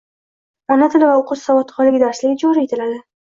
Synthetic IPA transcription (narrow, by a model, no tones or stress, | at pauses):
anat̪ʰɪlvaoqʊsːavɒt̪χɒlɪɡʲd̪aɾslɪɡʲɪd͡ʒɒɾɪet̪ʰɪlad̪ɪ